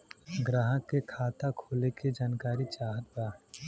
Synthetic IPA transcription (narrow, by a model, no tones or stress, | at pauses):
ɡɾaːɦəkːekʰaːt̪akʰoːleked͡ʒaːnkaːɾit͡ʃaːɦət̪̚baːɦ